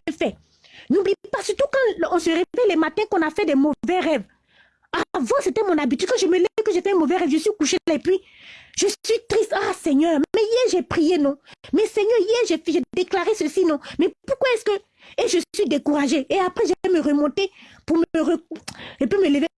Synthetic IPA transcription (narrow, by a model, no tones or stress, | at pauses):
ɛ̃fɛ | nublijepasyʁt̪ukɑ̃ɔ̃səʁevɛlɛmat̪ɛ̃kɔ̃nafɛd̪ɛmovɛʁɛv | avãset̪ɛmɔ̃nabit̪yd̪̚kɑ̃ʒəmələvɛkəʒefɛɛ̃movɛʁɛvʒəsɥikuʃelɛpɥi | ʒ̥əsɥit̪ʁist̪asɛɲœːʁmmɛijɛʒɛpχijenɔ̃mɛsɛɲœʁijɛʁʒɛfʒɛd̪eklaʁesəsinɔ̃mɛpuʁkwaɛskə | ɛʒəsɥid̪ekuʁaʒeeapχɛʒalɛməʁəmɔ̃t̪epuʁməʁəepɥimələve